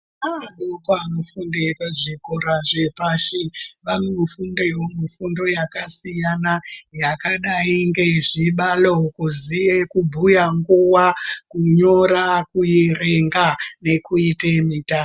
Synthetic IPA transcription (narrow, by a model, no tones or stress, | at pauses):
aɗokaanofundepaʐikoɾaʐe̞paʃiʋanufundewomufundo̞jakasijanajakaɗaiŋɡe̞ʐiɓalokuzijekubʱujaŋɡuwakuɲo̞ɾakujereŋɡane̞kuitemiːta